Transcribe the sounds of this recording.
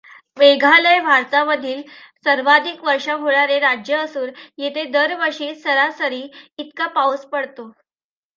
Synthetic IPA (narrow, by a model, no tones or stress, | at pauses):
beɡʱaləjbʱaɾt̪aməd̪ʱiːlsəɾʋad̪ʱikʋəɾʂaɦoɭaɾeɾad͡ʑjəːsuːɾjet̪ʰed̪əɾʋəɾʂiːsəɾasəɾiːit̪kapawspəɽt̪o